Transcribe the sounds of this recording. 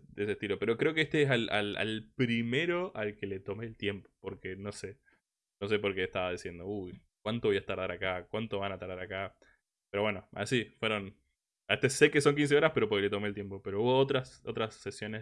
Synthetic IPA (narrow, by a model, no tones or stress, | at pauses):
d̪ees̬est̪ilo̞pe̞ɾo̞kɾe̞o̞keest̪eesala̰la̰lpɾime̞ɾo̞ʔalke̞le̞t̪o̞meːlt̪je̞mpo̥po̞ɾkeno̞se̞ | no̞s̬e̞po̞ɾkeːst̪aβað̞isje̞nd̪oujkwant̪oβo̞jaest̪aɾðaɾakakwant̪oβanat̪aɾðaɾaka | peɾoβweno̞a̰sifweɾo̞n | aest̪ese̞ke̞so̞ŋk̬ins̬e̞o̞ɾaspe̞ɾo̞po̞ɾkele̞t̪omeːlt̪je̞mpo̞peɾo̞uβo̞ot̪ɾaso̞t̪ɾasːesjo̞ne